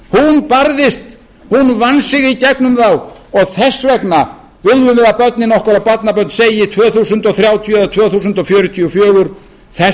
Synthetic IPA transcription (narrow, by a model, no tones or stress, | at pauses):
hunpaɾðɪst̪ | hunvansɪɣicɛknʏmθawɔɣθɛsvɛkna | vɪljʏnɛðapœt̪nɪnɔhkʏɾawpat̪napœt̪nseːjɪt̪ʰvœːθuːsʏnt̪ɔɣθɾjaːwt̪ʰjɔɛðat̪ʰvœːθusʏnt̪ɔfjʏːɾʏt̪ʰiufjœːɣʏɾ̥ | θɛ